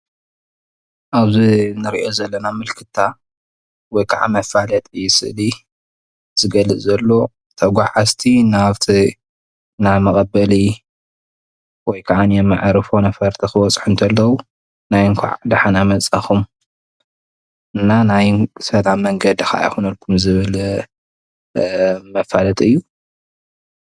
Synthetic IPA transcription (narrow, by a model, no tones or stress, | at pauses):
ʔaβzinɨɾiʔo̞zɐlːɐnamɨlkʰɨt̪ʰːa | wɔjkʰaʕa̰mɐfalɐt̪ʼɨjsɨ̰ʔli | z̥ɨɡɐlɨt͡sʼzɐlːo̞ | t̪ʰɐɡʷaʕast̪ʰinaβt̪ʰi | naβmɐkʼɐbɐli | wɔjkʰaʕanjɛmːɨʕɾɨfo̞nɐfɐɾt̪ʰixɨwɔt͡sʼħunt̪ʰɐlːɐwu | najŋkʷʰa̰ʕd̪aħanamɐt͡sʼaxum | ɨnːanajsɐlamːɐŋɡɐd̪ixaʔa̰jxunɐlkʰumzɨβɨl | mɐfalɐt̪ʼɨjːu